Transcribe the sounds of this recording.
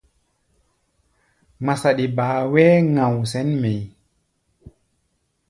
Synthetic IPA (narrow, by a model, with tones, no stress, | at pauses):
ŋ͡ma˨sa˨ɗi˨baː˨wɛː˦ŋã˨wsɛ˦nme˨j